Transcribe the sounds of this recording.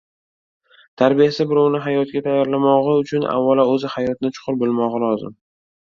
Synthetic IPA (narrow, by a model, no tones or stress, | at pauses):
t̪ʰaɾbijasɪbɪɾɒwnɪɦajɒt̪̚ɡʲat̪ʰajɒɾlamɒʁɨʊt͡ʃʰʊna̰vːalaɵzɪhajɒt̪̚nɪt͡ʃʰʊ̥qʰʊɾbolˠmɒʁɑlˠɒzɪ̰m